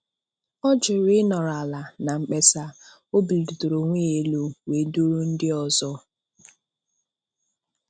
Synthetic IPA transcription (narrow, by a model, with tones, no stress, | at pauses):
ɔ˦d͡ʒʊ˨ɾɪ˦nɔ˨ɾa˨la˨na˨ŋ͡m̩˨k͡pe˨sa˨ | o˦bi˨li˨du˨to˨ɾo˨ŋʷe˦e˨lo˨we˨˦du˦ɾu˦n̩˦dɪ˦ɔ˨zɔ˦